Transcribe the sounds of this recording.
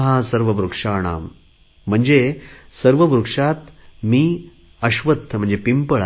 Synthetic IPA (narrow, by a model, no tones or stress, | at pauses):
ɦasəɾʋəʋɾukʂaːɽ̃a̰ːm | m̤əɳd͡ʑesəɾʋəʋɾukʂat̪miː | əɕʋət̪ːəm̤əɳd͡zepimpəɭ